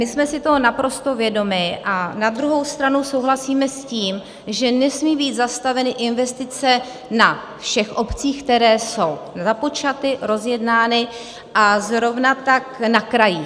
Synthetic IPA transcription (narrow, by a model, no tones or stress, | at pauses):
mɪsmɛsɪt̪o̞ɦonapɾo̞st̪o̞vjɛdo̞mɪʔanad̪ɾuɦo̞wst̪ɾanuso̞wɦlasiːmɛsciːm | ʒɛnɛsmiːbiːt̪zast̪avɛnɪʔɪnvɛst̪ɪt͡sɛ | na | fʃɛxʔo̞pt͡siːxkt̪ɛɾɛːso̞wzapo̞t͡ʃat̪ɪɾo̞zjɛdnaːnɪ | ʔazɾo̞vnat̪aknakɾajɪ